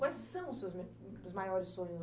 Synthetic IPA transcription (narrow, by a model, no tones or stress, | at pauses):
kwajssɐ̃w̃ʊsewzme | ʊzmajɔɾɪsːõɲʊ